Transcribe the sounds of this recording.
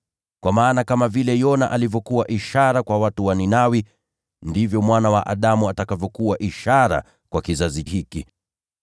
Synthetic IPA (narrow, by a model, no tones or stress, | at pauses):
kwamaːnakamavilɛjɔna̰ʔalivjɔkuwaʔiʃaɾakwawatuwaninawi | ndivjɔmwanawaʔaɗamuatakavjɔkuwaʔiʃaɾa̰ | kwakizazihiki